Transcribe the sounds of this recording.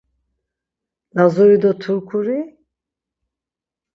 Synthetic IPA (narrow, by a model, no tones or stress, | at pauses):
lazujid̪ɔt̪ʰuɾkʰuɾi